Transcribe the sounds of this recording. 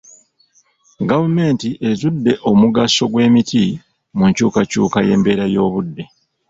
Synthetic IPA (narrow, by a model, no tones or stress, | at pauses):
ɡavume̞ntiʔe̞zudːe̞ʔo̞muɡaso̞ɡwe̞ːmitʰi | muɲcuːkacṵːkaje̞̰ːmbe̞ːɾajo̞ːβudːe̞